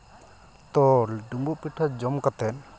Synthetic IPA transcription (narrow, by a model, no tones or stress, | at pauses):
t̪ɔlɖumbuʔpiʈʰːad͡ʒɔmkat̪ɛn